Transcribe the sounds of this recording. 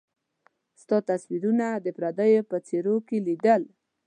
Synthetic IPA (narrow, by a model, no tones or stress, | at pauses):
st̪ɑt̪aswiɾunad̪əpɾad̪əjopət͡seɾokelid̪əl